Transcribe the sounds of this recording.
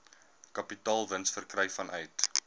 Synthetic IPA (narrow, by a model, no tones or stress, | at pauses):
kɐpitɑːlˠvənsfərkrɛjfɐnʔœjt